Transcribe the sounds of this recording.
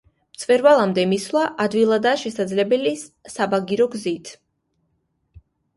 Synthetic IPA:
mt̪sʼvɛɾvalˠamd̪ɛmislˠaʔad̪vilˠad̪aʃɛsad̪zlɛbɛlisabaɡiɾɔɡzit̪ʰ

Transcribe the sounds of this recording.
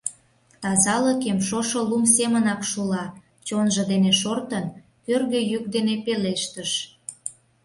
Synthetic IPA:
t̪ɑzɑləkemʃoʃolums̬emənɑkʃulɑ | t͡ɕonʒəd̪eneʃort̪ən | kørɣøjyk̚d̪enepeleʃt̪əʃ

